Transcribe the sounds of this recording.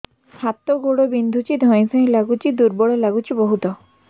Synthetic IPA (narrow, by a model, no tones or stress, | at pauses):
hat̪oɡoɽobind̪ʱut͡ʃid̪ʱɔ̃j̃sɔ̃j̃laɡut͡ʃid̪uɾbɔɽɔlaɡut͡ʃibɔɦut̪ɔ